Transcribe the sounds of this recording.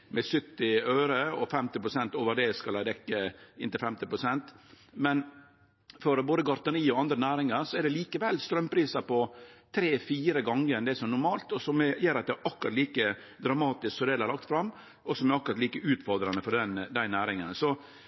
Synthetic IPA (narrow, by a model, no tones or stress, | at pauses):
mɛsʏt̪ːɪøːɾəɔfɛmt̪ɪpɾʊsɛnt̪oːʋəɾɖ̪ɛskɑlæɪd̪ɛkːəɪnt̪ɪlfɛmt̪ɪpɾʊsɛnt̪ | mɛn | fɔɾboːd̪əɡɑɾt̪əɾiːɔɑnd̪ɾənæːɾɪŋɑɾsɔɛɖɛliːkəʋɛlːst̪ɾœmpʰɾiːsɑpɔt̪ʰɾeːfiːɾəɡɑŋːəɾɛnd̪ɛɛsɔmɛnʊɾmɑːlt̪ɔsɔmɛjeːɾɑt̪d̪ɛʔɑkʉɾɑt̪liːkə | d̪ɾɑmɑːt̪ɪsksɔd̪eːlhæɾlɑkt̪fɾɑmː | ɔsɔmɛɾɑkɾɑt̪liːkəʉːt̪fɔɾd̪ɾɑnəfɔɖɛnd̪æɪnæːɾɪŋənsɔ